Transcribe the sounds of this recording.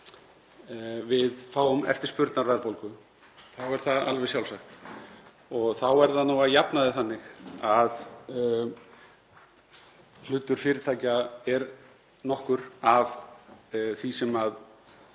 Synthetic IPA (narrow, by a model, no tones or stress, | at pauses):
vɪðfaːwʏmɛ̰ft̪ɪ̥spʏɾt̪naɾvɛðɾpowlkʏ | θawɛɾ̥θaa̰lvɛsjawlsaxt̪ | ɔɣθawɛɾðanuwaðjapnaðɪθanːɪxað | l̥ʏt̪ːʏɾ̥fɪːɾɪt̪ʰaːjcaɛɾ | nɔhkʏɾav | θvisɛmað